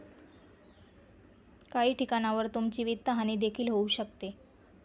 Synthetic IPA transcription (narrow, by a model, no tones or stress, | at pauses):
kaɦiːʈʰikañaʋəɾt̪umt͡ɕiʋit̪ːəɦañiːd̪ekʰiːlɦouɕəkt̪e